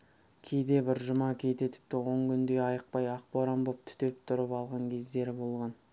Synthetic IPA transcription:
kʲʰe̞jd̪e̞bɪɾʒʊmɑkʲʰe̞jt̪et̪ʰɪ̥p̚t̪ɪwoŋkʲʰʏnd̪e̞jɑjəq̚pɑjɑq̚poɾambop̚t̪ʰʏ̥t̪e̞p̚t̪ʰʊɾəpɑlˠʁɑŋkʲʰe̞zd̪e̞ɾɪbo̞lˠʁɑn

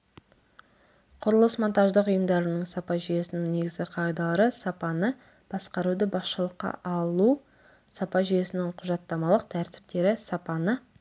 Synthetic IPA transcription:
qʰʊɾəlˠəsmont̪ɑʒd̪əqʊjəmd̪ɑɾənəɴsɑpɑʒʏje̞sɪnɪŋne̞ɡʲɪzɡʲɪqʰɑjd̪ɑlˠɾəsɑpɑnə | b̥ɑsqɑɾud̪ɪbɑsʃəlˠəqːɑ̰ʔɑlˠu | sɑpɑʒʏje̞sɪnɪŋqʰʊʒɑt̪ːɑmɑlˠəq̚t̪ʰæɾt̪ɪ̥p̚t̪e̞ɾɪsɑpɑnə

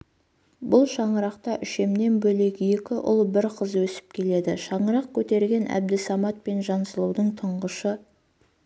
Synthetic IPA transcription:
bʊlˠʃɑɴəɾɑqt̪ɑʔʏʃe̞mne̞nbɵle̞ɡʲɪje̞kʲɪʔʊ̰lˠbɪɾqʰəzwɵsɪ̥p̚kʲʰe̞le̞d̪ɪʃɑɴəɾɑq̚kʲʰɵt̪e̞ɾɡʲe̞nʔæ̰b̚d̪ɪsɑmɑt̪̚pe̞nʒɑnsəlˠuwd̪əɴt̪ʰəɴʁəʃə

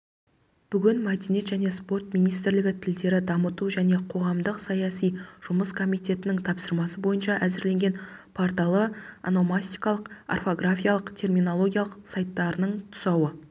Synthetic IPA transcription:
b̥ʏɡʲɪnmɑd̪ene̞t̪ʒæne̞spo̞rt̪̚mijnijst̪ɪɾlɪɡʲɪt̪ʰɪld̪e̞ɾɪd̪ɑmət̪uʒæne̞qʰo̞ʁɑmd̪əqsɑjɑsijʒ̥ʊməskʰo̞mijt̪e̞t̪ɪnɪŋt̪ʰɑpsəɾmɑsəbo̞jənʃɑʔæzɪɾle̞ŋɡʲe̞npʰoɾt̪ɑlˠəa̰no̞masʲt̪ijkɑlˠəqa̰rfo̞ɡrafʲijalˠəqt̪ʰe̞rmʲino̞lˠo̞ɡʲijalˠəqsɑjt̪ːɑɾənəɴt̪ʰʊ̥sɑwə

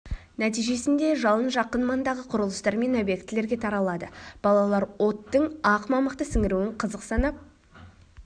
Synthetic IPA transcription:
næt̪̬ijʒe̞sɪnd̪e̞ʒɑlˠənʒɑqːənmɑnd̪ɑʁəqʰʊɾəlˠəst̪ɑɾme̞nobje̞k̚t̪ːɪle̞ɾɡʲe̞t̪ʰɑɾɑlˠɑd̪əb̥ɑlˠɑlˠɑɾwo̞t̪ːəɴɑqmɑməqt̪əsɪŋɪɾuwɪɴqʰəzəqsɑnɑp̚

